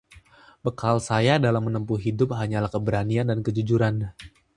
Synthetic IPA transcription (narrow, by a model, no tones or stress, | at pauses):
bəkʰalsajadalamːənəmpuɦidʊp̚ɦaɲalahkəbəɾaniandankəd͡ʒud͡ʒuɾan